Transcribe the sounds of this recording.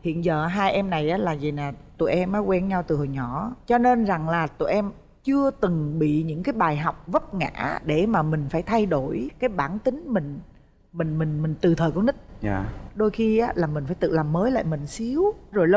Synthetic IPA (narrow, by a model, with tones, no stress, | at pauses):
hḭ˧˨ənzəː˨˩ɦaː˧jʔɛ˧mna˨˩jʔaː˨˦laː˨˩zi˨˩naː˨˩t̪ṵ˧˩˨jʔɛ˧mʔəː˨˦kwɛ˧nɲa˧wt̪ɨ˨˩ho˨˩jɲɔ˧˩˦t͡ɕɔ˧ne˧nza˨˩ŋlaː˨˩t̪ṵ˧˨jʔɛ˧m | t͡ɕɨ˧ət̪ɨ˨˩ŋɓḭ˧˨ɲɨ̰˧˥kaː˨˦jɓaː˨˩jɦɔ˨˩wk͡p̚və˦˥t̚ŋa̰ː˧˥ɗe˧˩maː˨˩mï˨˩ŋ̟faː˧˩jt̪ʰa˧jɗo˧˩jkaː˨˦jɓaː˧˩nt̪ï˨˦ŋ̟mï˨˩ŋ̟ | mï˨˩ŋ̟mï˨˩ŋ̟mï˨˩ŋ̟t̪ɨ˨˩t̪ʰəː˨˩ku˧˩˦nɗï˦˥k̚ːɗo˧jxi˧ʔaː˨˦laː˨˩mï˨˩ŋ̟faː˧˦jt̪ɨ̰˧˨laː˨˩mːəː˨˦jla̰ː˧˨jmï˨˩ŋ̟si˨˦əwzo˨˩jlə˧